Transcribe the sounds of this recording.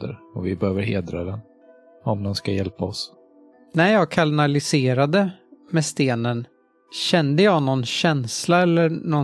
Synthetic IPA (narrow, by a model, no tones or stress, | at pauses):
d̪ə̰ɾɔvɪbɛhøːvəɾɦeːd̪ɾa̰d̪ɛn | ɔmd̪ɛnskajɛlpaɔs | næjɑːɡkʰalnalɪseːɾad̪əmɛst̪eːnən | ɕɛnd̪əjɑːnɔnɕɛnslaɛlːənɔ